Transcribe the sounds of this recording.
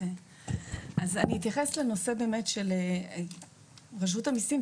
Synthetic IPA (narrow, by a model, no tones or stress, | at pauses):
azaniːt̪jaχesle̞no̞se̞beːme̞tʃel | ʁaʃ̬vutamisim